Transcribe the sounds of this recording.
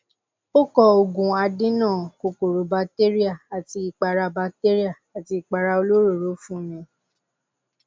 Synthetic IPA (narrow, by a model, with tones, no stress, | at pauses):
o˦kɔ˧o˨ɡũ˨a˧dĩ˦nãː˦˨ko˨ko˨ɾo˨ba˧kte˦ɾi˦a˦˨a˨ti˧i˨k͡pa˧ɾa˧ba˧te˦ɾi˦a˦˨a˨ti˧i˨k͡pa˧ɾa˧o˧lo˦ɾo˦˨ɾo˨˦fũ˦˨j̃ɛ̃˧